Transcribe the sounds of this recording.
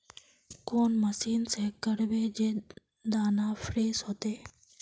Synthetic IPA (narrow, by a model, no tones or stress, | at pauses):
koːnməsiːnseːkəɾbed͡ʒeː | d̪aːnaːfʰɾeːsɦoːt̪eː